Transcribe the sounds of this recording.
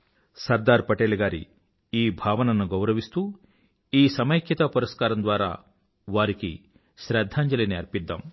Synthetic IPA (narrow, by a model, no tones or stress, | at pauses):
sɐɾd̪aːɾpɐʈeːluɡaːɾḭ | iːbʱaːʋɐnɐnːuɡɐwɾɐʋist̪uː | iːsɐmɐjkʰjɐt̪ɐpuɾɐskaːɾɐnd̪ʋaːɾa̰ː | ʋaːɾiki | ʃɾɛːd̪ʱːaːɲd͡ʒɐlineɐɾpid̪ːa̰ːm